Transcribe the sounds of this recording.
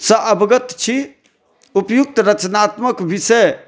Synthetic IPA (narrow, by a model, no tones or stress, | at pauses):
səʔəbɡət̪t͡ʃʰi | upjuk̚t̪ɾət͡ʃnat̪məkbisə